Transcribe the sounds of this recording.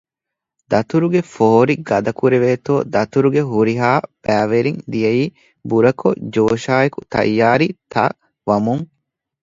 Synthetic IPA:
d̪ɐt̪uɾuɡefooɾiɡɐd̪ɐkuɾeʋeːt̪oːd̪ɐt̪uɾuɡeɦuɾiɦaːb̥æːʋeɾiŋd̪ijɐjiː | buɾɐko̰d͡ʒoːʃaːekut̪ɐ̰jːaːɾit̪ɐ̰ | ʋɐmuŋ

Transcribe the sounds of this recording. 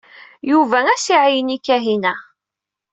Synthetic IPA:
juvææsiʕijənikːæɦinæ

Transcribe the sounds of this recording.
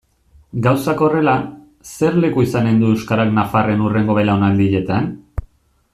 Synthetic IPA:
ɡawsako̞re̞la | se̞ɾle̞kuisane̞nd̪ue̞wskaɾaknafare̞nure̞ŋɡo̞βe̞laonald̪iʎe̞t̪an

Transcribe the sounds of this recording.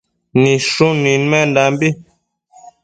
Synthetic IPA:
niʃuninmɛndambi

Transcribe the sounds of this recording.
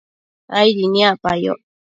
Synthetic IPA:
ajɾiniapajo̰

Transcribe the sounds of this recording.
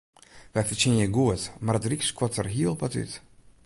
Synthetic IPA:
vɛfət͡ʃinjəɡuətmaɾətrikskwɔtərɦiəlˠpaty̰t

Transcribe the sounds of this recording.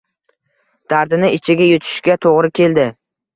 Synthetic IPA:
d̪̥aɾd̪ɪnɪɪt͡ʃʰɪɡʲajʊt̪ʰɪ̥ʃɡʲat̪ʰoʁɾɪkʲʰe̞ld̪ɪ

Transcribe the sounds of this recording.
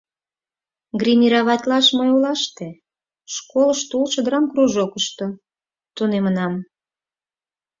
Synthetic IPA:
ɡrʲinʲiɾɑβɑt̪lɑʃməjulɑʃt̪e | ʃkoləʃt̪ulʃəd̪əɾɑmkruʒokəʃt̪o | t̪unemənɑm

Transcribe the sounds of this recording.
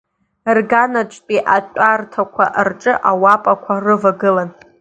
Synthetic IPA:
rɡanat͡ʃʷʼtʼiʔat͡ʃʷʼartʰakʷʰa̰ʔrʈ͡ʂʼɨʔawapʼakʷʰarɨvaɡɨlan

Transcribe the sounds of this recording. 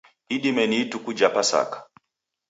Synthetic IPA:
iɗimɛniːtukud͡ʒapasa̰kḁ

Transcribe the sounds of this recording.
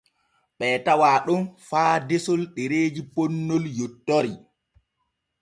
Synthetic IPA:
ɓɛːtawaːɗunfaːdesɔlɗeɾeːd͡ʒiponːɔljɔtːɔɾi

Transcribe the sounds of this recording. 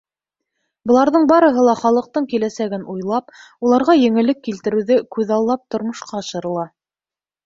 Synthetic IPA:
bɤ̆lˠɑɾðɤɴbɑɾɤ̆ɦɤlˠɑχɑlˠɤ̆q̚t̪ɤɴkilæsæɡɘnujlˠɑp̚ | ulˠɑɾʁɑjɘ̆ŋɘ̆lɘkːilt̪ɘ̆ɾɘ̆wðɘkʉðɑlˠːɑp̚t̪ŏɾmŏʃqɑɑʃɤ̆ɾɤ̆lˠɑ

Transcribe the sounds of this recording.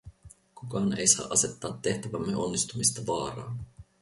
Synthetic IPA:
kukɑːne̞̰jsɑ̰ːʔɑse̞t̪ːɑːt̪ːe̞ht̪æʋæmːe̞o̞nːist̪umist̪ɑʋɑːɾɑːn

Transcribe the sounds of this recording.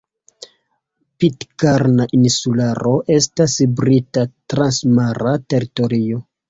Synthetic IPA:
pitkaɾnaʔinsulaɾoʔe̞stasbɾitatɾansmaɾate̞ɾitoɾio̞

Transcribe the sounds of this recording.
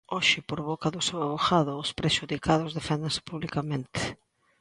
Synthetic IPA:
oʃɪpoɾβokaðʊsewaβoxaðʊːspɾeʃuðikaðʊzðefɛnd̪ensɪ̥puβlikamẽnt̪ɪ̥

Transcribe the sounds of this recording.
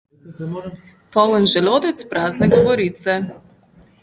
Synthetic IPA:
pɔwənʒɛloːd̪ɛt̪spɾaːznɛɡɔʋɔɾiːt̪sɛ

